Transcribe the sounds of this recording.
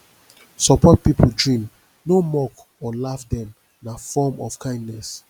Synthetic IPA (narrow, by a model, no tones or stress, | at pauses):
sɔpɔt̚pipʰoldɹĩm | nomɔk | ɔlafdɛ̃m | nafɔmɔ̰fkʰãɪ̃ndnɛs